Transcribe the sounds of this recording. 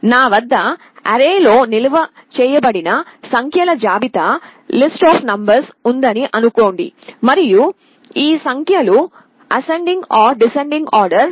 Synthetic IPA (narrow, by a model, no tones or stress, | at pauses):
naːʋɐd̪ːɐ | ɐ̰ɾeːlo̞ːnilɐʋɐ | t͡ʃɛːjɐbɐɽinɐsɐŋkʰjɐlɐd͡ʒaːbit̪ɐlisʈaːpʰnɐmbɐɾsund̪ɐniʔɐnukoːɳɖḭmɐɾiju | iːsɐŋkʰjɐlu | ɐseɳɖiŋɡaːɾɖiseɳɖiŋɡaːɾɖɐɾ